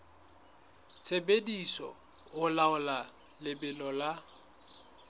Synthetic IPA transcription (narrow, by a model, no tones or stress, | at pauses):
t͡sʰebedisɔ̰ | ʊlaʊlalɪbɪlɔla